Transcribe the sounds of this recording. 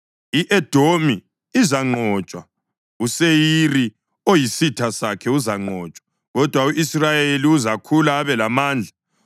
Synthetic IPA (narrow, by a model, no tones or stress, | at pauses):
iʔɛd̥ʱomi | izaŋ͡ǃɔt͡ʃʼwa | usejiri | ojisitʰasakʰɛuzaŋ͡ǃɔːt͡ʃʼwḁ | ɣɔd̥ʱwauʔisrajeliuzakʰulaːβɛlamaːnd͡ɮʱa